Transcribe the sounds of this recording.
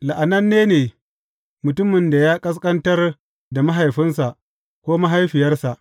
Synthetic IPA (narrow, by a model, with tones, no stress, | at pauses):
la˨ʔa˨nɐ˦nːeː˦neː˨ | mʊ˨tʊ˦mɪ˨nda˨jaː˦kʼɐ˦s̬kʼɐ˦ntɐ˦r | da˨ma˦ɦa˨jɸɪ˦nsa˨ʔ | kʷoː˦ma˦ɦa˦jɸɪ˨jɐ˦rsa˨ʔ